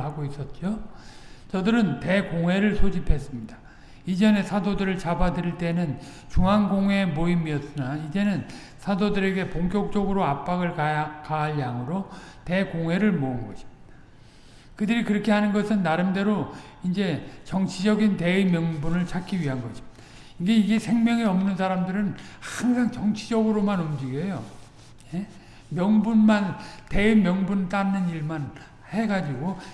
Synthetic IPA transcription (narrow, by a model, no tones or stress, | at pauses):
ɦaɡois͈ʌt̚t͡ɕ͈o | t͡ɕʌdɯɾɯnte̞koŋɦwe̞ɾɯɭsʰod͡ʑipʰe̞s͈ɯmɲid̥a | id͡ʑʌne̞sʰadodɯɾɯɭt͡ɕabadɯɾiɭt͈e̞nɯn | t͡ɕuŋanɡoŋwe̞moimiʌt̚s͈ɯnaid͡ʑe̞nɯn | sʰadodɯɾe̞ɡe̞poŋkjok̚t͡ɕ͈ʌɡɯɾoap̚p͈aɡɯɭkakaɦaɭjaŋɯɾote̞koŋwe̞ɾɯɭmoɯnɡʌɕʰi̥mɲid̥ḁ | kɯdɯɾikɯɾʌkʰe̞ɦanɯnɡʌsʰɯnːaɾɯmde̞ɾo | ind͡ʑe̞t͡ɕʌŋt͡ɕʰid͡ʑʌɡinte̞ɯmjʌŋbunɯɭt͡ɕʰak͈ʰiɥiɦanɡʌɕʰi̥mɲid̥a | iɡe̞iɡe̞sʰe̞ŋmjʌŋeʌmnɯnsʰaɾamdɯɾɯnhaŋsʰaŋt͡ɕʌŋt͡ɕʰid͡ʑʌɡɯɾomanumd͡ʑiɡejo | je | mjʌŋbunmante̞ɯmjʌŋbunt͈anːɯniɭman | he̞ɡad͡ʑiɡo